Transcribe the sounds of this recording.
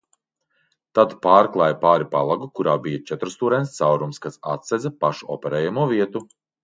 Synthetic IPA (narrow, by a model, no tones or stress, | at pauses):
t̪ad̪paːɾklˠaːjpaːɾipalˠaɡukuɾaːbijɐt͡ʃɛt̪ɾst̪uːɾɛnst̪sawɾumskasa̰t̪sɛzɐpaʃuʔɔ̰pʲɛɾɛːjamuɔviɛt̪u